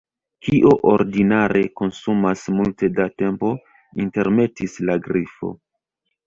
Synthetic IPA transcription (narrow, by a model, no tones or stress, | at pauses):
kiʔoʔoɾdinaɾe̞ko̞nsumasmulte̞date̞mpo̞ | inte̞ɾme̞tislaɡɾifo̞̰